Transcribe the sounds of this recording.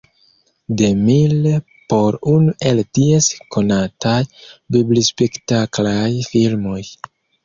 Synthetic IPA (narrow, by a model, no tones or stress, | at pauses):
demil | po̞ɾunuʔe̞ltie̞sko̞natʰajbiblispektaklajfilmo̞j